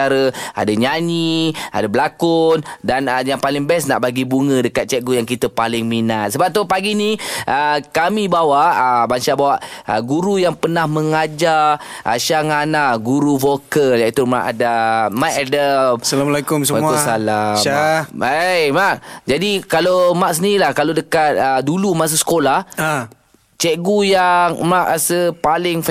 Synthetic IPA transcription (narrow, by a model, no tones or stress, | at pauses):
aɾəa̰daɲaɲiʔa̰dabəlakʊndanəjaŋpalɪŋbɛsna̰ʔbaɡibuŋə̃dəkat̪̚t͡ʃɛʔɡujaŋkit̪əpalɪŋminat̪̚səbap̚t̪upaɡiniʔəkamibawaʔəbanʃaʔbawaʔə̰ɡuɾujaŋpənahməŋad͡ʒa | ʔa̰ʃaŋanaɡuɾuvokəljait̪uma̰ʔa̰damaʔadasalamlekumsəaasalaaajmaʔd͡ʒadikalomaʔs̬əniilahkalodəkat̪̚ədulumas̬asə̥kolaha | t͡ʃɛʔɡujaŋmraʔasəpalɪŋf